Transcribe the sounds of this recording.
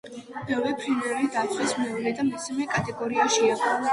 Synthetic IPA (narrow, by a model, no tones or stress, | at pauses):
b̥ɛvɛpʰɾimɛɾulid̪at̪sʰʼwɛsmɛublɛd̪amisamɛkʼat̪ʼɛɡɔɾiaʃiaɡɔ